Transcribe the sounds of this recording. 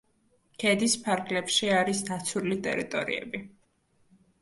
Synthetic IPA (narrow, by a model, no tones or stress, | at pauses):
kʰɛd̪ispʰaɾɡlɛpʃiaɾisd̪at̪sʰulit̪ʼɛ̰ɾit̪ʼɔ̰ɾḭɛ̰bi